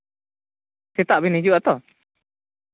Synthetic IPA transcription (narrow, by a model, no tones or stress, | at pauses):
sɛt̪aʔbinid͡ʒuʔat̪ɔ